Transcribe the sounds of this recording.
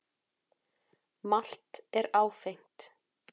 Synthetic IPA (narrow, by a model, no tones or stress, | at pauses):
mal̥t̪ɛɾaːwfejŋ̥t̪